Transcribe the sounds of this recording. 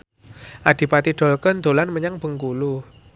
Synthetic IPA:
ʔad̪̥i̤pat̪iɖ̥ɔ̤lkənd̪̥o̤lanməɲaŋb̥ə̤ŋkulu

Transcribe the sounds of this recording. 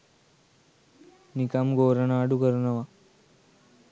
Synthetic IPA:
nikamɡoːɾɐɳaːɖukəɾunɐʋa

